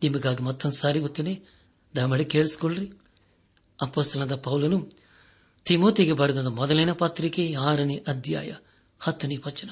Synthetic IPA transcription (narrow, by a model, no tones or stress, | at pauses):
nimuɡaːɡimɐt̪ːɐnsaːɾiʋut̪ːeneː | d̪aːmɐɽike̞ːɭsi̥koɭɾi | ɐpːoːst̪ɐlɐnd̪ɐpɐwulɐnu | t̪imoːt̪iɡebɐɾud̪ɐnd̪ɐmɔd̪ɐlɐjnɐpɐt̪ɾikeaːɾɐniʔɐd̪ja̰ːjɐ | hɐt̪ːunipɐt͡ʃːɐnɐ